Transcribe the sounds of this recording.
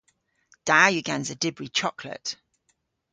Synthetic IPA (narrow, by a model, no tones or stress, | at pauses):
d̥aːjʉɡãnzədɪbɹit͡ʃʰɒkʰlə̰t